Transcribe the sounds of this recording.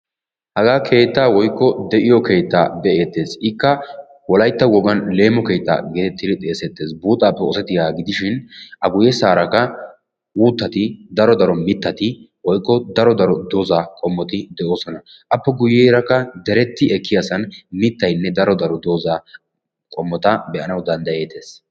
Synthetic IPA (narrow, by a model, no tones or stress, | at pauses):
hɐɡaːkʰe̞ːt̪ːaːwɔjkːɔd̪ɛʔɪjɔke̞ːt̪ːa̰ːbɛʔeːt̪ːe̞ːsɪkːɐ | wɔlɐjt̪ːɐwɔɡɐnle̞ːmːɔke̞ːt̪ːa̰ːɡet̪ɛt̪ːɪd̪ɪt̪ʼe̞ːsɛt̪ːe̞ːsbuːt̪ʼːaːpːɛɔsɛt̪ːɪjaːɡɪd̪ɪʃɪnɐɡʊjɛsaːɾɐkːɐ | wuːt̪ːɐt̪ɪd̪ɐɾɔd̪ɐɾɔmɪt̪ːɐt̪ɪwɔjkːɔd̪ɐɾɔd̪ɐɾɔd̪oːzaːkʼɔmːɔt̪ɪd̪ɛʔo̞ːsɔnɐ | ʔɐpːɛɡʊjːeːɾɐkːɐd̪ɛɾɛt̪ːɪɛkːɪjasɐnmɪt̪ːɐjnːɛd̪ɐɾɔd̪ɐɾɔd̪oːzaː | kʼɔmːɔt̪ɐbɛʔɐnɐwd̪ɐnd̪ɐje̞ːt̪ːe̞ːs